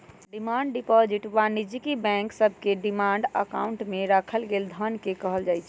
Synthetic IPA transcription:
ɖimaɳɖɖipɔd͡ʒiʈʋanid͡ʒikibɛ̃ŋksəbʱkeɖimaɳɖə̰kauɳʈmeɾakʰəlɡeːld̪ʱənkekəɦəld͡ʒaːjt͡ʃʰ

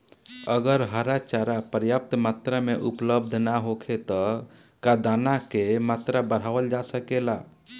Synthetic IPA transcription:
əɡəɾɦəɾat͡ʃaɾapəɾjəp̚t̪mat̪ɾameʔupləb̚d̪ʱnaɦokʰet̪ɔ | kad̪anakemat̪ɾabəɽ̤aʋəld͡ʒasəkela

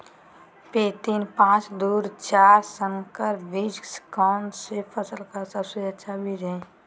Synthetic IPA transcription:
peːt̪iːnpãːt͡ʃd̪uːɾt͡ʃaːɾsəŋkəɾbid͡ʒskaːnsepʰəsəlkaɾsəbseətːʃʰabʱiɾɛ̃

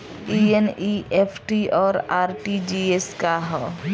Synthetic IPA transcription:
ieniepʰʈiɔːɾaɾʈid͡ʒieskaɦɔ

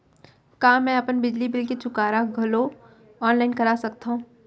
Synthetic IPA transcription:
kaːmɛ̃ɐpənbɪd͡ʒlibɪlket͡ʃʊkaːɾaɡʱɐlo | ɔːnlaːɪnkɐɾaːsɐkt̪aɦũː

